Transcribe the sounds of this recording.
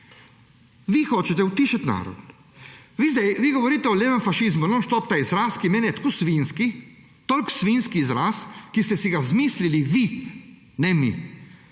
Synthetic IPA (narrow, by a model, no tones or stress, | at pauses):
ʋixoːt͡ʃɛt̪ɛut̪iːʃat̪ʲna̰ːɾɔ̰d̪ | ʋiːzd̪ɛjʋiːɡoʋɔɾiːt̪ɛɔlʲeːʋɛmfaʃizmunoʃt̪opt̪aizɾaːskimeːnɛt̪kusʋinski | t̪olʲksʋinskiːzɾaːskist̪ɛsiɡazmiːsliliʋi | nɛmḭ